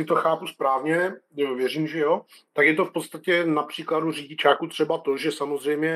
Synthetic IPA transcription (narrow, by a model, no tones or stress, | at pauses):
ɪt̪oxaːpuspɾaːvɲɛvjɛriːmʒɛjo̞ | t̪akjɛt̪ofpo̞t̪st̪acɛnapr̥iːkladuriːɟɪt͡ʃaːkut̪r̝̥ɛbat̪o̞ʒɛsamozrɛjmɲɛ